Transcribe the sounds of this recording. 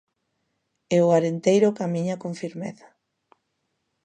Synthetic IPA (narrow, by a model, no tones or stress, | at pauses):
eʊaɾent̪ejɾʊkamiɲakoɱfiɾmeθḁ